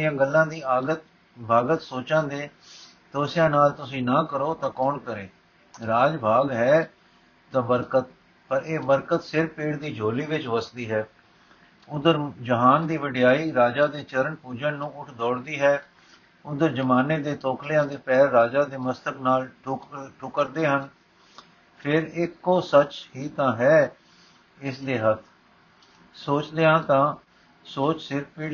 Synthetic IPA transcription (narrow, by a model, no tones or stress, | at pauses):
ɪjãːɡəlːãːd̪iːaːɡət̪ | bʱaːɡət̪soːt͡ʃãːd̪eː | t̪oːsɪjãːnaːlt̪ʊsĩːnãːkəɾoːt̪ãːkɔːnkəɾẽː | ɾaːd͡ʒbʱaːɡɦɛː | t̪ãːbəɾkət̪̚ | pəɾeːbəɾkət̪sɪɾpeːɽd̪iːd͡ʒoːliːʋɪt͡ʃʋəsd̪iːɦɛː | ʊd̪əɾd͡ʒəɦaːnd̪iːʋɪɖɪjaːiːɾaːd͡ʒaːd̪eːt͡ʃəɾəɳpuːd͡ʒənnũːʊʈʰd̪ɔːɽd̪iːɦɛː | ʊd̪əɾd͡ʒəmaːneːd̪eːt̪oːkʰljãːd̪eːpɛːɾːaːd͡ʒaːd̪eːməst̪əknaːlʈʈʰʊkəɾd̪eːɦən | pʰɪɾɪkːoːsət͡ʃhiːt̪ãːɦɛː | ɪsd̪eːɦət̪ʰ | soːt͡ʃd̪eːãːt̪ãː | soːt͡ʃsɪɾpeː